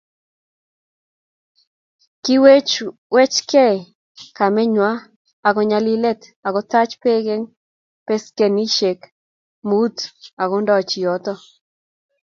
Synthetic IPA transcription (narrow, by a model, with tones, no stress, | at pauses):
ki˦we˦t͡ʃ | wɛ˦t͡ʃkɛ˦˨ | ka˨mɛ˦ɲwa˦ | a˨ɡɔ˦ɲa˦li˦le˦t̪a˨ɡɔ˦t̪a˦t͡ʃpe˦ɡe˦ŋ | pe˦ske˨ni˦ʃe˨k | mu˦t̪a˨ɡɔ˦ndɔ˦t͡ʃi˨ɔ˦t̪ɔ˦